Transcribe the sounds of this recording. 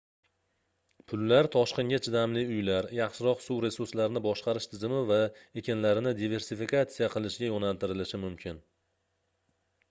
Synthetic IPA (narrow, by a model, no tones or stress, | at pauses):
pʰʊlːaɾt̪ʰɒʃqɨnŋɡʲat͡ʃʰɪd̪amlɪʊjlaɾjɑχʃɪɾɒqsuwɾe̞suɾslaɾnɪbɒʃqɑɾɪʃt̪ʰɪzɪmɪvae̞kʲanlaɾɪnɪd̪ive̞ɾsifikat̪sijaqʰɨlˠɪʃɪɡʲajonalt̪ɪɾɪlɪʃɪmʊmkʲʰɪn